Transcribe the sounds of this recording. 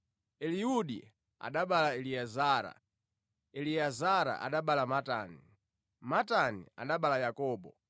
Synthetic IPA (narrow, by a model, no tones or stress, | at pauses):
ɛliuɗḭ | a̰ɗaɓalaɛliazaːɾa̰ | ɛliazaɾa̰ʔa̰ɗaɓalamatani | matanḭa̰ɗaɓalajakɔːɓɔ